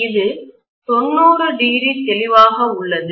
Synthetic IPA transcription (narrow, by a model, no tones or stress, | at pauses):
ɪðɯ | t̪ɔnːoːɾɯɖiːɾit̪ɛlɪʋaːɣɐʊɭːɐðɯ